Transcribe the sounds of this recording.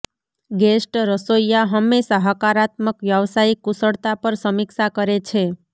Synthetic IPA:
ɡesʈɾəsojjaɦəmːeʃaɦəkaɾat̪məkʋjəʋsaikːusəɽt̪apəɾsəmiksakəɾet͡ʃʰe

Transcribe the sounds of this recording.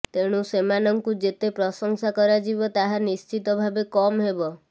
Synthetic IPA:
t̪eɽ̃ũsemanɔŋkud͡ʒet̪epɾɔsɔŋsakɔɾad͡ʒibɔt̪aɦanist͡ʃit̪ɔbʱabekɔmɦebɔ

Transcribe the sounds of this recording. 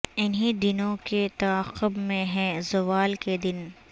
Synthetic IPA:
ɪnɦid̪ɪnõket̪ɐaːqʊbmẽɦɛ̃zʊʋaːlked̪ɪn

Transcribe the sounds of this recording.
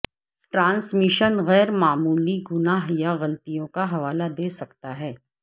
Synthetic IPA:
ʈɾãːnsmɪʃənɣɛːɾmaːmuːliɡʊnaɦjaɣɐlt̪ijõkaɦɐʋaːlad̪eːsɐkt̪aɦɛː

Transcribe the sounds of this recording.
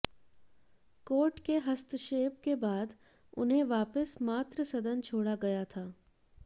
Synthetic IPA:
koːɾʈkeɦɐst̪ʃeːpkebaːd̪ | ʊ̰nɦẽʋaːpəsmaːt̪ɾəsɐd̪ʱənt͡ʃʰoːɽaɡɐjat̪ʰaː

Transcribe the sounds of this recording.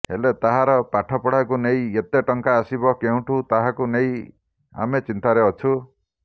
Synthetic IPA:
ɦelet̪aɦaɾɔpaʈʰɔpɔɽakunejet̪eʈɔŋkaːsibɔkeũʈʰut̪aɦãkunej | a̰met͡ʃint̪aɾeɔt͡ʃʰu

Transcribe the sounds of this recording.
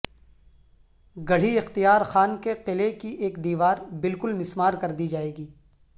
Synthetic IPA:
ɡɐɽ̤iɪxt̪ijaːɾxaːnkeqɪlekiʔeːkd̪iːʋaːɾbɪlkʊlmɪsmaːɾkɐɾd̪id͡ʒaːeːɡiː

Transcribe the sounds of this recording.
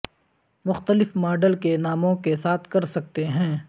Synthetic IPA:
mʊxt̪əlɪfmaːɖəlkenaːmõkesaːt̪ʰkɐɾsɐk̚t̪eɦɛ̃ː

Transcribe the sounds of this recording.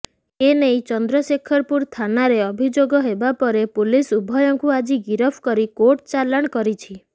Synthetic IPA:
enejt͡ʃɔnd̪ɾɔsekʰɔɾpuɾt̪ʰanaɾeɔbʱid͡ʒoɡɔɦebapɔɾepulisubʱɔjɔŋkuad͡ʒiɡiɾɔpʰkɔɾikoʈt͡ʃalaɽ̃kɔɾit͡ʃʰi

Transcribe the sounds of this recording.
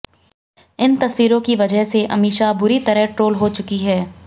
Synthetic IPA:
ɪnt̪ɐswiːɾõkiʋɐd͡ʒəɦseʔɐmiːʃabʊɾit̪ɐɾəɦʈɾoːlɦot͡ʃʊkiɦɛː

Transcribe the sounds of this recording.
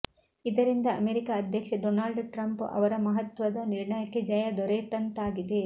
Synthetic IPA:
id̪ɐɾind̪ɐːmeːɾikaːd̪ʱjɐkʂɐɖoːnaːlɖʈɾɐmpɐ̰ʋɐɾɐmɐɦɐt̪ʋɐd̪ɐniɾɳɐjɐkːe̞d͡ʒɐjɐd̪ɔɾeːt̪ɐnt̪aːɡid̪e

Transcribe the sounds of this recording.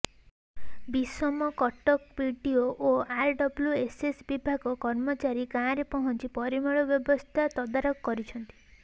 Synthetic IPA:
bisɔmɔkɔʈɔkpiɖioʔoaɾɖɔbljuesesbibʱaɡɔkɔɾmɔt͡ʃaɾikãɾepɔɦɔnt͡ʃipɔɾimɔɭɔbjɔbɔst̪ʰat̪ɔd̪aɾɔkkɔɾit͡ʃʰɔnt̪i̥

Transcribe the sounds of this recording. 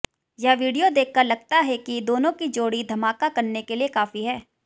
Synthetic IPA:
jɐʋiːɖijod̪eːk̚ʰːɐɾlɐɡ̚t̪aɦɛkid̪oːnõkid͡ʒoːɽid̪ʱɐmaːkakɐɾnekeliekaːfiɦɛː

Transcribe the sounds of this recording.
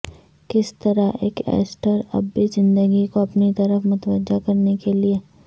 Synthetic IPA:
kɪst̪ɐɾaḛːkɛ̰ːsʈəɾɐ̰bːizɪ̃nd̪əɡikoɐpnit̪ɐɾəfmʊt̪əʋəd͡ʒakɐɾnekelie

